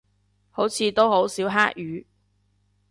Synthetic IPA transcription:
ho˨˥wt͡sʰiː˨˧t̪o˥who˨˥wsiː˨˥wɦaː˥k̚jyː˨˧˥

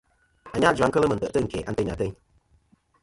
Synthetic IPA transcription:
a˨ɲa˦˨d͡ʒu˨a˦ŋ̩˦kə˦lə˦mə˨n˨tə̰˨ʔtə˦˨ŋ̩˨kḛ˨ʔa̰˨˦n˦tə˦˨ɲa̰˨tə˦ɲ

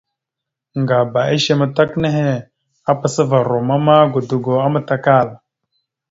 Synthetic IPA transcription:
ŋɡa˨ba˨e˦ʃe˦ma˨ta˦kne˦ɦe˦ | a˦pa˨sə˦va˨ɾo˨ma˦ma˦ɡo˨du˨ɡo˨a˦ma˨ta˨ka˦˨la˨

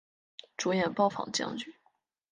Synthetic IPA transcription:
ʈ͡ʂu˧˥jɛ˨˩npɑ˥ʊfɑ̰˨˩ŋt͡ɕjɑ̰˥ŋt͡ɕy˥˩˦

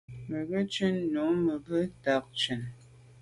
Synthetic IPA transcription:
mə˨ɣə˦t͡ʃə˦nːu˨˦mə˨bə˦ta˨˦k̚t͡ʃʉ˨n

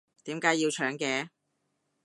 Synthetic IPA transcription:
t̪iː˨˥mkaː˨˥ji˧wt͡ʃʰœː˨˥ŋkɛː˧

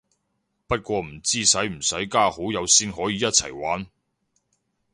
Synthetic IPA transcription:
pɐ˥t̚kʷɔː˧m̩˨˩t͡siː˥sɐ˨˥jm̩˨˩sɐ˨˥jkaː˥ho˨˥wjɐ˨˧wsiː˥nɦɔː˨˥jiː˨˥jɐ˥t̚t͡sʰɐ̰˨˩jwaː˨˥n

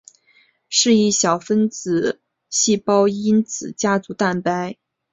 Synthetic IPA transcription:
ʂɻ̩˥˧i˥˩ɕjɑ˨˩ʊfə˥nt͡sɹ̩˨˩˦ | ɕi˥˩pɑ˥ʊi˥nt͡sɹ̩˨˩t͡ɕja˥t͡su˧˥t̪a˥˩npa˥ɪ

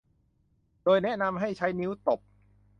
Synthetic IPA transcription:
doː˧jnɛ˦˥ʔna˧mɦa˥˩jt͡ɕʰa˦˥jni˦˥wt̪o˨˩p̚

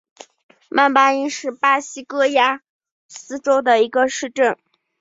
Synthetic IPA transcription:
mʔa˥˩npa˥i˥nʂɻ̩˥˩pa˥ɕi˥kɤ˥ja˥ | sɹ̩˥ʈ͡ʂo˥ʊd̪ə˨i˧˥ɡə˧ʂɻ̩˥˧ʈ͡ʂə˥˩n

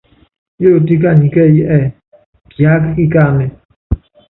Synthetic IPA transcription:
jo˦˨ti˦k̬a˦˨nĩ˨kɛ˦˨ji˦ʔɛ˦˨ | pa˦kki˦ka˦˨mɛ˨

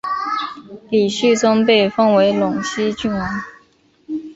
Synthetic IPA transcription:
li˨˩ɕy˥˩ʈ͡ʂʊ˥ŋpe˥˧ɪfɤ˥ŋwe˧˥ɪlʊ˨˩ŋɕi˥t͡ɕy˥˩na˧˥n

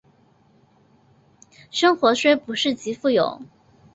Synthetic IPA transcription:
ʂɤ˥ŋxwɔ˧˥ʂwe˥ɪpu˧˥ʂɻ̩˥˩t͡ɕi˧˥fu˥˩jo̰˨˩˦

